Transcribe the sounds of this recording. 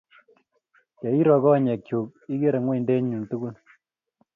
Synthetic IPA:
kɛ˨i˦ɾɔ˨kɔ˦˨ɲɛ˨k̚t͡ʃu˨k̚i˦ke˦ɾe˨ŋwe˦i˨nde˦ɲɲu˨ntu˦ku˦l

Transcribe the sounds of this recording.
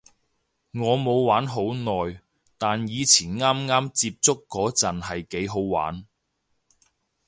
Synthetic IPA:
ŋɔː˨˧mo˨˧wwaː˨˥nɦo˨˥wnɔː˨j | t̪aː˨njiː˨˧t͡sʰiː˨˩nŋaː˥mŋaː˥mt͡siː˧p̚t͡sʊ˥kːɔː˨˥t͡sɐ˨nhɐ˨jke˨˥jɦo˨˥wwa̰ː˨˥n

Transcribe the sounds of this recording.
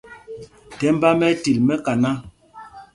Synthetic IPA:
tɛ˦m̩˦ba˦mɛ˦ti˨lmɛ˦ka˨na˦

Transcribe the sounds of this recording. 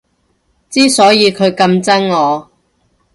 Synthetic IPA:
t͡siː˥sɔː˨˥jiː˨˧kʰɵ˨˧ɥkɐ˧mt͡sɐ˥ŋŋɔː˨˧

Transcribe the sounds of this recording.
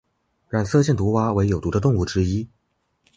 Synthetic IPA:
ɻa˨˩nsɤ˥˧t͡ɕjɛ˥˩nt̪u˧˥xwa˥we˧˥ɪjo˨˩t̪u˧˥ə˧t̪̬ʊ˥˧ŋu˥˩ʈ͡ʂɻ̩˥i˥

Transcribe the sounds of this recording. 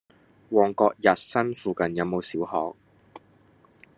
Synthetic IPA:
wɔː˨˩ŋkɔː˧k̚jɐ˨t̚sɐ˥nfuː˨˧kɐ˨njɐ˨˧wmo˨˧wsiː˨˥whɔ̰ː˨k̚

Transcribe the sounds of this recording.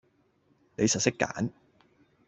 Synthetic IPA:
ne˨˧jsɐ˨t̚sɪ˥kːa̰ː˨˥n

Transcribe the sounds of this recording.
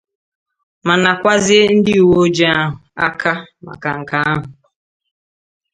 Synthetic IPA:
ma˨na˨kʷa˦zɪ˦e˦n̩˦dɪ˦u˨wo˦o˦d͡ʒe˦a˦ɦʊ˨a̰˦kʰa˦ma̰˨ka˨ŋ̩˨ka˦a˦ɦʊ˨

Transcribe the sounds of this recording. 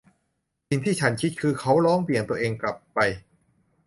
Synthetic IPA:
si˧ŋt̪ʰiː˥˩t͡ɕʰa˦˥nkʰi˦˥t̪̚kʰɯː˧kʰa˦˥wɾɔː˦˥ŋpi˨˩ənt̪u˧ʔeː˧ŋkla˨˩pːa˧j

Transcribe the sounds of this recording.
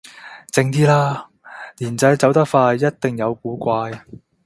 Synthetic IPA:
t͡sɪ˧ŋt̪̬iː˥laː˥ | liː˨˩nt͡sɐ˨˥jt͡sɐ˨˥wt̪ɐ˥k̚faː˧jːɐ˥t̚t̪ɪ˨ŋjɐ˨˧wkuː˨˧˥kʷaː˧j

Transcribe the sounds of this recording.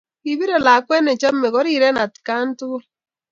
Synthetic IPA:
i˨βi˦ɾo˨la˨kwɛ˦ne˨t͡ʃa˦m̩˦me˨ɣɔ˦ɾi˦˨ɾɛ˦na˨ti̥˨ka˦n̩˦tu˦

